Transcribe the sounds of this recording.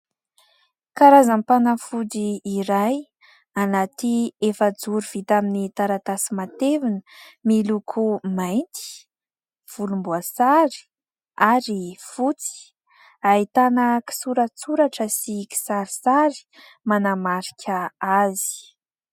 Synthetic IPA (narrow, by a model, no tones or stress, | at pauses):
kaɾazampanafudiːɾaj | anat̪iefəd͡zuɾuv̥it̪aminit̪aɾat̪asimat̪evinəmilukʰumajnt̪i̥ | v̥ulumbuasaɾi̥ | aɾifut͡si̥ | ait̪anəki̥suɾət͡suɾaʈ͡ʂəsiki̥saɾisaɾi̥ | manamaɾi̥kʲʰəazi̥